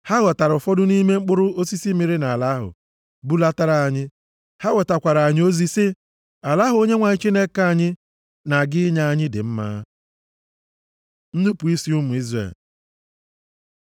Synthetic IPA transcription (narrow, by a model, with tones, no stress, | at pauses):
ha˦ɣɔ˨ta˨ɾʊ˨fɔ˦dʊ˦ni˦me˦ŋ͡m̩˦k͡pʊ˦ɾʊ˦o˦si˦si˦mi˨ɾɪ˦na˨a˨la˦ɦʊ̰˨ | bu˦la˦ta˦ɾa˨a˨ɲɪ˦ | ha˦ɣɔ˨ta˨kʷa˨ɾa˨ɲɪ˦o˦zi˦sɪ˦ | a˨la˦ɦʊ˦o˦ɲe˦ŋʷa˨ɲɪ˦t͡ʃi˦ne˦ka˦a˨ɲɪ˦ | na˨ɡɪ˦ɲa˦a˨ɲɪ˦dɪ̰˨m̩˦ma̰ː˦ | n̩˦nu˦pu˨i˦si˦u˦mʊ˨i˦zrḛ˨l